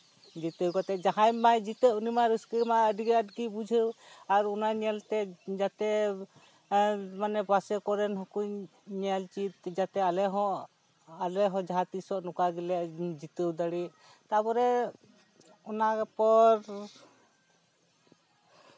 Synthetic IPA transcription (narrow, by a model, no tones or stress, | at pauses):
d͡ʒit̪əwkɔt̪ɛʔd͡ʒaɦajmajd͡ʒit̪əʔunimaɾuskəmaəɖiɡɛəʈɡibud͡ʒʱəwaɾɔnaɲɛlt̪ɛd͡ʒat̪ɛ | manɛbasɛkɔɾɛnɦɔkuɲɲalt͡ʃit̪d͡ʒat̪ɛalɛɦɔʔ | alɛɦɔ̃d͡ʒaɦat̪isɔʔnɔkaɡilɛʔd͡ʒit̪əwd̪aɽiʔ | t̪apɔɾɛ | ɔnakpɔɾ